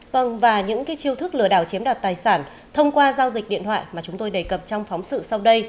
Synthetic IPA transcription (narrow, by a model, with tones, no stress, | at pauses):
və˧˩ŋvaː˨˩ɲɨ̰˧˥ŋkaː˨˦jt͡ɕi˧əwt̪ʰɨ˦˥k̚lɨ˧˩əɗa̰ː˧˩wt͡ɕi˨˦əmɗa˨˩t̚t̪aː˨˩jsaː˧˩n | t̪ʰə˧wŋ͡mkwaː˧zaː˧wzi˨˩k̟̚ɗḭ˧˨ənt̪ʰwa̰ː˧˨jmaː˨˩t͡ɕʊ˨˦ŋ͡mt̪o˧jɗə˨˩kə˨˩p̚t͡ɕɔ˧wŋ͡mfɔ˨˦wŋ͡msɨ̰˧˨sa˧wɗə˧j